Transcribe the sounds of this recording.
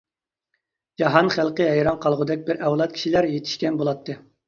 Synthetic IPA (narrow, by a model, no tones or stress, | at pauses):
d͡ʒɑɦɑnχælˠqəɦæjɾɑnqʰɑlˠʁʊd̪ɛk̚ʲbɪɾʔɛwlˠɑt̪̚kʲʰi̥ʃilæɾjet̪ʰi̥ʃkʲɛnbolˠɑt̪ʰːɨ